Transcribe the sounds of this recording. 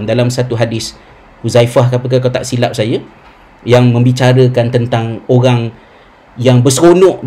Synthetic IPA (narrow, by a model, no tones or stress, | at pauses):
mdalamsat̪uɦadɪs | huzaifahkapək̬akawt̪a̰ʔsilap̚saja | jaŋmə̃mbit͡ʃaɾəkant̪ənt̪aŋoɾaŋ | jaŋbəsəɾonɔ̃ʔ